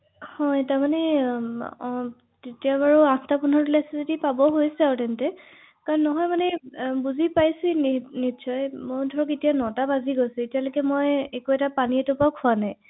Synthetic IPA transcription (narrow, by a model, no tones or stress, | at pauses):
hɔjtaɹmanɛ | tetijabaɹuãstapɔnɔɹtulasɛzodipabɔɦojsɛawtɛntɛ | kaɹɔnːɔɦɔjmanɛbuzipajsuninisɔjmoɹdʱɔɹɔketijanɔtabaziɡosʊ̃etijalokɛmɔjekuɛtapaniɛtʊpaʊkʰuanaj